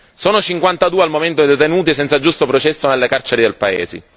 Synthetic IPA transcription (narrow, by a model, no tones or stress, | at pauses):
soːnot͡ʃiŋkwant̪ad̪uːealmoment̪̬od̪et̪enuːt̪isɛnt̪sad͡ʒust̪opɾot͡ʃɛsːonelːekart͡ʃeɾid̪elpaḛːzḛ